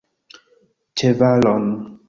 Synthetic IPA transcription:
t͡ʃebalɔn

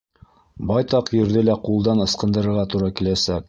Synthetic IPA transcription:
bɑjt̪ɑqjɘ̆ɾðɘlæqulˠd̪ɑnɤ̆sqɤ̆nd̪ɤ̆ɾɤ̆ɾʁɑt̪uɾɑkilæsæk̚

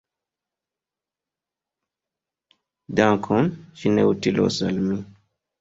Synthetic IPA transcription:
dãkʰɔnʃinḛutilɔ̰sa̰lmi

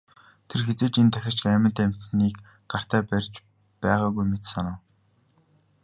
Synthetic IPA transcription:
t̪ʰerxet͡seːt͡ɕent̪ʰæxʲɪ̥̆t͡ɕɡæːmʲə̆nt̪æm̥t̪niːk | ɢ̥ar̥t̪æːpærʲt͡ɕ | pæːʁaːɣujmet̪sanʊːw

